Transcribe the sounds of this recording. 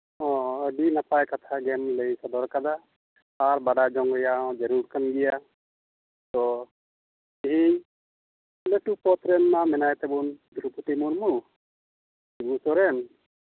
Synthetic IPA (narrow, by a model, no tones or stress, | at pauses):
ɦɔ̃əɖinapajkat̪ʰaɡɛmlejsɔd̪ɔɾkad̪a | aɾbaɖad͡ʒɔŋɡjaɔ̃d͡ʒəɾuɾkanɡija | t̪ɔ | iɦi | leʈupɔt̪ɾɛnmamɛnajt̪ɛbund̪ʱuɾupuʈimunmu | iɡusɔɾɛn